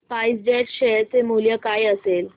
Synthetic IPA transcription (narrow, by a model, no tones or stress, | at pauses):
paisd͡ʑeʈɕeɾt͡semuljəkajəsel